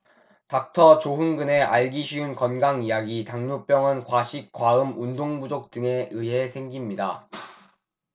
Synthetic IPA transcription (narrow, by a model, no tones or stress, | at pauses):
tak̚tʰʌt͡ɕoɦunɡɯne̞ʔaɭɡiɕʰiunkʌnɡaŋijaɡitaŋnup͈jʌŋɯnkwaɕʰik̚k͈waɯmundoŋbud͡ʑok̚t͈ɯŋe̞ɯɦe̞sʰe̞ŋɡimɲida̰